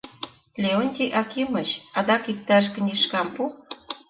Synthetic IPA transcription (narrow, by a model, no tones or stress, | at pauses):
lʲeonʲt̪ʲiʔɑkimət͡ɕɑd̪ɑkik̚t̪ɑʃ̬kə̆nʲiʃkɑmpu